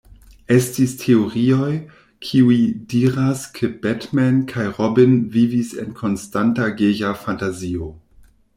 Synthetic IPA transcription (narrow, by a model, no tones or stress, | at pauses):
estistʰeoʁio̞j | kʰiuidiɾaskʰebɛtmɛnkʰajʁobinvivisḛnkʰo̞nstantaɡejafantazio